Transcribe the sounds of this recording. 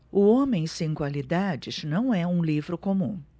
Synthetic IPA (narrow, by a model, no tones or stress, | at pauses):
ʊõmẽj̃sẽj̃kwalid̪ad͡ʒɪznɐ̃w̃ɛũlivɾʊkomũ